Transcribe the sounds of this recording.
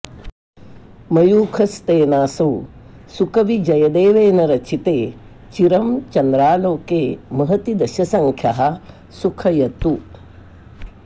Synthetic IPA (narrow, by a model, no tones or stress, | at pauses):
mɐjuːkʰɐst̪eːnaːsɐw | sukɐʋid͡ʒɐjɐd̪eːʋeːnɐɾɐt͡ʃʰit̪eː | t͡ʃiɾɐmt͡ʃɐnd̪ɾaːloːkeːmɐɦɐt̪id̪ɐʃɐsɐŋkʰjɐɦɐ̆ | sukʰɐjɐt̪u